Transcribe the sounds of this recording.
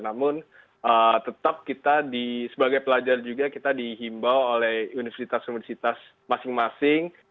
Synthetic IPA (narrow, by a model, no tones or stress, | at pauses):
namʊn | ʔət̪ət̪ap̚kit̪adisəbaɡajpəlad͡ʒard͡ʒuɡakit̪adiɦimbawolɛhunifərsit̪asunifərsit̪as | masɪŋmasɪŋ